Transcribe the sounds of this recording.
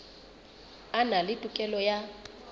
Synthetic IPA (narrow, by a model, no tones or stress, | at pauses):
analɪtʼukʼɛlɔja